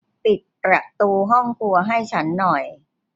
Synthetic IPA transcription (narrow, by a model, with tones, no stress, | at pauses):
pi˨˩t̪̚pɾa˨˩t̪uː˧ɦɔ˥˩ŋkʰu˧ɐɦa˥˩jt͡ɕʰa˦˥nːɔ˨˩j